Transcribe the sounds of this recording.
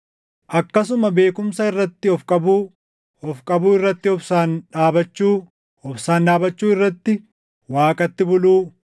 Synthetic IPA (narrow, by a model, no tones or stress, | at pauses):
ʔɐkːɐs̬ʊmɐbe̞ːkʊmsɐɪrːɐt̪ːɪɔfkʼɐbuː | ɔfkʼɐbuːɪrːɐt̪ːɪɔbsaːnᶑaːbɐt͡ʃːuː | ɔbsaːnᶑaːbɐt͡ʃːuːɪrːɐt̪ːɪ | waːkʼɐt̪ːɪbʊluː